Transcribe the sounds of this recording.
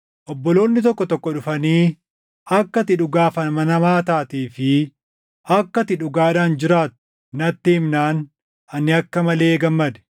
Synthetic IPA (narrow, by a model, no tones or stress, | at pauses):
ʔɔbːɔlo̞ːnːɪt̪ɔkːɔt̪ɔkːɔᶑʊfɐniː | ɐkːɐt̪ɪᶑʊɡaːfɐnmɐnɐmaːt̪aːt̪iːfɪ | ɐkːɐt̪ɪᶑʊɡaːᶑaːnd͡ʒɪɾaːt̪ʊ̥ | nɐt̪ːɪɪmnaːn | ɐnːɪɐkːɐmɐle̞ːɡɐmːɐd̪ɛ̥